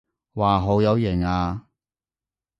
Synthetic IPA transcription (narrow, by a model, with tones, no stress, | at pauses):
waː˨˩ɦo˨˥wjɐ˨˧wjɛ˨˩ŋaː˧